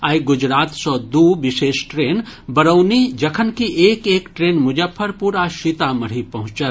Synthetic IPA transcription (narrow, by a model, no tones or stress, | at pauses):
aːjɡʊd͡ʒɾaːt̪sɔd̪uʋɪʃeːʃʈɾeːnbɐɾəːnid͡ʒɐkʰənkiʔeːkeːkʈɾeːnmʊd͡ʒəpʰːəɾpuːɾaʃit̪amɐɽ̤ipɐɦʊ̃t͡ʃət̪